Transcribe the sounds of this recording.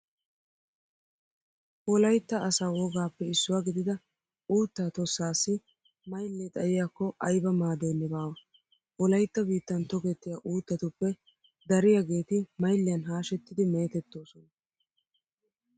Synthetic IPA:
hɔlɐjt̪ːɐːsaːwɔɡaːpːɛɪsːʊwaːɡɪd̪ɪd̪ɐ | uːt̪ːaːt̪ɔsːaːsːɪ | mɐjlːɛt̪ʼɐjɪjaːkːɔʔɐjbɐmaːd̪eːnːɪbaːwɐ | hɔlɐjt̪ːɐbiːt̪ːɐnt̪ɔɡɛt̪ːɪjɐʔuːt̪ːɐt̪ʊpːɛ | d̪ɐɾɪjɐɡe̞ːt̪ɪmɐjlːɪjɐnɦaːʃɛt̪ːɪd̪ɪme̞ːt̪ɛt̪ːo̞ːsɔnɐ

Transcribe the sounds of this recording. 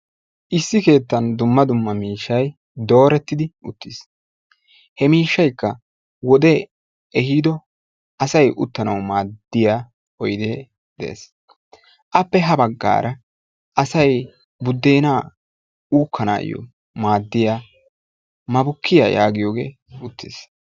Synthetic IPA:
ʔɪsːɪke̞ːt̪ːɐnd̪ʊmːɐd̪ʊmːɐmiːʃːɐj | d̪o̞ːɾɛt̪ːɪd̪ɪʔʊt̪ʰːɪs | hɛmiːʃːɐjkːɐ | wɔd̪ɛ | ɛhiːd̪ɔ | ʔɐsɐjʔʊt̪ːɐnɐwmaːd̪ːɪjaː | ɔjd̪e̞ː | d̪ɛ̰ḛːs | ʔɐpːɛɦɐbɐɡːa̰ːɾʔɐ | ʔɐsɐj | bʊd̪ːe̞ːnaː | uːkʰːɐna̰ːjɔ̰ | maːd̪ːɪjaː | mɐbʊkʰːɪja̰ja̰ːɡɪjo̞ːɡe̞̰ː | ʊt̪ʰːɪs

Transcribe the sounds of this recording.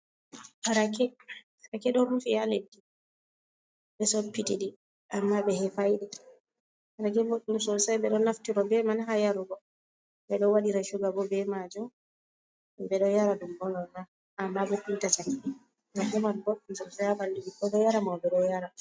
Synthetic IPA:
ʔaɾakɛ | aɾakɛɗɔɾufijaledːi | ɓɛsopːitiɗi | ʔamːaɓɛhɛfajɗɛ | haɾakɛboɗːumsɔlsajɓɛɗɔnːaftiɾɔbɛmanɦajaɾuɡɔ | ɓɛɗɔwaɗiɾaʃuɡabɔbɛmad͡ʒɔ | bɛɗɔjaɾadumbɔlɔma | ʔamːabɛpintat͡ʃaki | ɾakɛmanboɗːumsɔlsajabaldiɗikɔɗɔjaɾamabɛɗɔjaɾa

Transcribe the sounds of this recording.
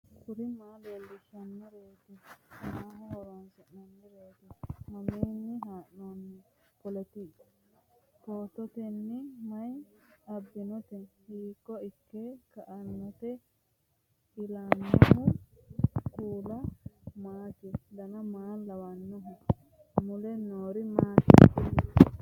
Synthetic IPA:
kʊɾɪmaːleːlːɪʃɐnːɪɾeːt̪ɪɐnaːɦɔhɔɾansɛnnɐnːɪɾeːt̪ɪmɐmeːnːɪɦaːʔnoːnːɪ | pɔlɛt̪i | poːt̪ɔt̪ɛnːɪmɐjɐbːɪnɔt̪ɛnhiːkːɔɪkːekɐʔɐnːɔt̪ɛ | hɪlanːɔhʊ | kuːlɐmaːt̪ɪd̪ɐnɐmaːlːɐwɐnːɔɦʊ | mʊlɛnoːɾɪmaːʃɪ̰k

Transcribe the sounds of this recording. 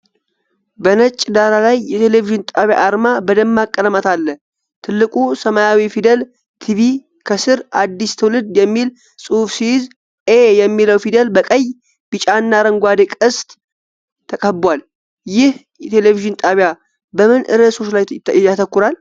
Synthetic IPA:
bənət͡ʃʼːd̪aɾalajːɛt̪ʰe̞le̞viʒɪnt̪ʼaβja̰ʔːɾmabəd̪əmːakʼːənəmət̪ʰalːəh | t̪ʰɨlːɨkʼusəmajawifid̪əl | t̪ʰiβi | kʰəsɨɾad̪ːist̪ʰəwlɨd̪jɛmːil | sʼɨhufsijɪz | ʔejɛmːiləwfid̪əlbəkʼəjː | b̥ɨt͡ʃʼanːaɾəŋɡʷad̪ekʼɨst̪ʼʰː | əkʼəbwal | jɪhjɛt̪ʰe̞leviʒɨnt̪ʼaβja | bəmɨnʔɨɾəso̞t͡ʃlajjat̪ʰəkːuɾal

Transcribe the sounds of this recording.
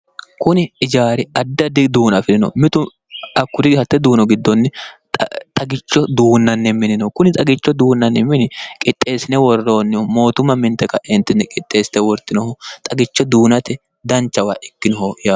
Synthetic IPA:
kʊnɪɪd͡ʒaːɾɪɐd̪ːɐd̪ɪd̪uːnɐfɪlɪnɔ̰mɪt̪ʊ | ɐkːʊd̪ɪhɐt̪ːɛd̪uːnɔɡɪd̪ːɔnːɪ | t̪ʼɐɡɪt͡ʃːɔd̪uːnːɐnːɛmːɪnɪnɔkʊnɪt̪ʼɐɡɪt͡ʃːɔd̪uːnːɐnːɛmːɪnɪkʼɪt̪ʼːe̞ːsɪnɛwɔrːo̞ːnːɪmo̞ːt̪ʊmːɐmɪnt̪ɛkɐʔɪnt̪ːɪnɛkʼɪt̪ʼːe̞ːsɪ̥t̪ɛwɔɾt̪ːɪnɔhɔt̪ʼɐɡɪt͡ʃːɔd̪uːnɐt̪ɛ | d̪ɐnt͡ʃːɐwaːʔɪkːɪnɔhɔjaː

